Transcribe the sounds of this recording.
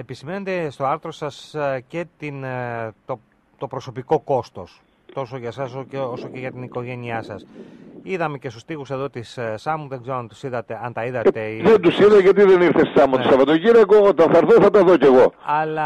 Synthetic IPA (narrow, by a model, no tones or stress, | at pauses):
episimenond̪est̪o̞ɐɾθɾo̞sɐsce̞t̪int̪o | t̪o̞pɾo̞so̞piko̞ko̞st̪o̞s | t̪o̞so̞ʝɐsɐsoeosoceʝɐt̪iniko̞ʝe̞niɐsɐsiðɐme̞ce̞st̪u̥st̪ixuse̞ðo̞t̪issɐmuðeɡzeɾoɐnt̪u̥siðɐt̪e̞ɐnt̪ɐiðɐt̪eðend̪usiðɐʝɐt̪̬iðeniɾθessɐmot̪osɐvɐt̪oʝiɾɐkoot̪ɐnθɐɾθoθɐt̪ɐðoceɣo̞ɐlɐ